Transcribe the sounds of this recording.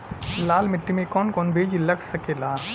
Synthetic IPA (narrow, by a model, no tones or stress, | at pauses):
laːlmɪʈːimẽkɔːnkɔːnbʱeːd͡ʒilɐksɐkelaː